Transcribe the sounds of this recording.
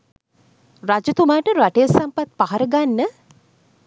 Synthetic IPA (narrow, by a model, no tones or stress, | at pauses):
rad͡ʒət̪umaːʈəɾaʈejəsampat̪̚paɦaɾəɡanːə